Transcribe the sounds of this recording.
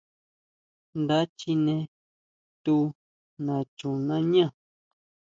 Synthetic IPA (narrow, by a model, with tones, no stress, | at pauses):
nd̪a˦t͡ʃi˧˦nẽ˧ | t̪u˦ | nã˨t͡ʃũ˨nã˦ɲã˦˨